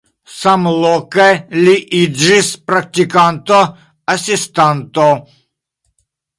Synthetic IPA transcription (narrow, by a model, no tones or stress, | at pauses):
samlˠɔkalʲiʔiʒispɾak̚t̪ʲikant̪ɔ | ɐsʲist̪ant̪ɔ